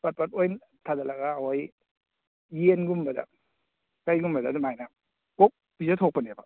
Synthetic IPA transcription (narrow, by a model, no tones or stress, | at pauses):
pat̚pat̚ojn | tʰadalaɡawoj | jenɡumbada̰ | kajɡumbadadumajna | kok̚ | b̥izatʰok̚paneba